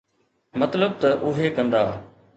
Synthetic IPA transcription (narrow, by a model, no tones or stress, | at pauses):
mɐt̪ləb̚t̪ɐʔʊɦeːkɐ̃nd̪aː